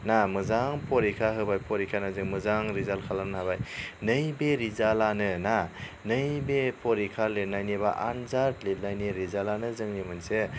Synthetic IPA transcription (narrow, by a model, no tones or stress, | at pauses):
namɯzaŋpʰɔɾikʰaɦɯbajpʰɔɾikʰanazɯŋmɯzaŋɾizalkʰalamnɦabajnɯjbeɾizalanɯna | nɯjbepʰɔɾikʰalet̚najnibaʔa̰nzatlet̚najniɾizalanɯzɯŋnimɯnse